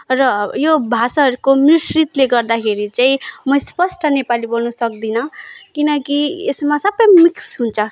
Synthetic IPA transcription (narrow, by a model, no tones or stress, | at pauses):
rʌjobʱasaʌɾukomisrit̪leɡʌrd̪akʰeɾit͡saĩmʌjspʌsʈʌnepalibolnʌsʌk̚d̪inʌkinʌkiḛsmasʌbʌjmiksɦunt͡sʰʌ